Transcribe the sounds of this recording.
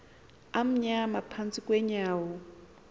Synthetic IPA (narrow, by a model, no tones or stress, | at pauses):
am̩ɲamapʰant͡sʼikʼwɛɲaːwɔ